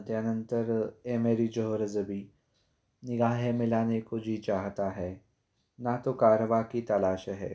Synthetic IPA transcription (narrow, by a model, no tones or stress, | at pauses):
d̪janə̃nt̪əɾeːmeːɾid͡ʒoɦoɾəzəbʱi | nɪɡaːɦemɪlaːnekod͡ʒʱit͡ʃaːɦt̪aɦɛː | nat̪okaːɾəʋakit̪ɐlaːʃɦɛ̰ː